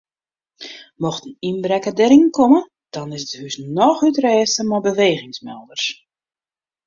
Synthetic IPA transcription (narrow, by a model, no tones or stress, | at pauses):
mɔxtəninbɾɛkədɛɾɪŋkɔmə | d̥ɑnɪsthysnɔxytrɛːstəmɔbəʋeːɣɪŋsmɛlˠdərs